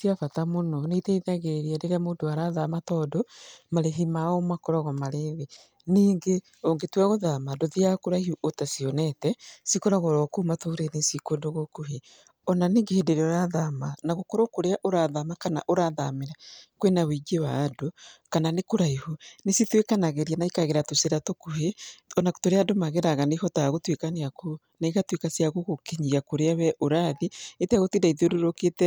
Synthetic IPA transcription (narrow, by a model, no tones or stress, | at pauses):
siafatamonɔneiteiðaɣeɾiadeɾɛmoːndoaɾaðamatɔdomaɾeɦimaɔmakɔɾɔɣɔmaɾeβe | niːŋɡe | oŋɡetwɛɣoðamadoðiakoɾaihuʔotasiɔnɛtɛsikoɾaɣɔɾɔkumatoɾenesikondoɣokuɦe | ɔnaniːŋɡehedeɾeoɾaðamanaɣokoɾokoɾeaʔoɾaðamakana̰ʔoɾaðameɾakwenawiɡewaːdokananekoɾaihonesitwekanaɣeɾianaikaɣeɾatoseɾatokuheɔnako̥toɾeadomaɣeɾaɣanihɔtaaɣotwekaneako | naiɣatwekasiaɣoɣokeɲiakoɾeawɛʔoɾaðieteaɣotindaiðoɾoɾoketɛ